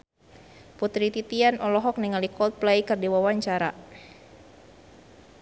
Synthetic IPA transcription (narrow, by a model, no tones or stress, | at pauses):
put̪ɾit̪it̪ianʔɔlɔɦɔk̚niŋalikɔlt̪̚plɛjkɨrdiwawaɲt͡ʃaɾa̰